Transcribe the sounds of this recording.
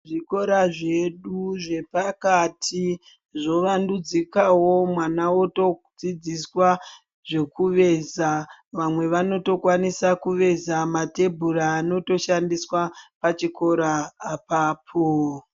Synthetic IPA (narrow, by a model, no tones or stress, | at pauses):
ʐiko̞ɾaʐe̞ɗuʐe̞pakatʰi | ʐo̞ʋandud͡zikawo̞mwanawo̞to̞d͡zid͡ziswa | ʐe̞kuʋe̞zaʋamwe̞ʋano̞to̞kwanisakuʋe̞zamate̞bʱuɾaːno̞to̞ʃandiswapat͡ʃiko̞ɾaːpaːpʰo